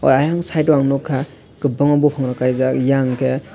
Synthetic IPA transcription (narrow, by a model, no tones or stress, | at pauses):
ɔ̰jajaŋsajtɔaŋnɔkʰːa | ɡɯbɯŋabɔpʰaŋɾakajzakjaŋkʰe